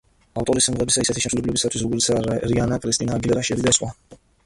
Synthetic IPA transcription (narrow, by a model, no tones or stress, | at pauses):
aft̪ʼɔɾisɛmʁɛbisaisɛt̪ʰiʃɛmʃʰulɛblɛbisat̪ʰwis̬ɾɔɡɔɾit̪saɾianakʼɾist̪ʼinaːɡilɛɾaʃiɛlid̪asχwa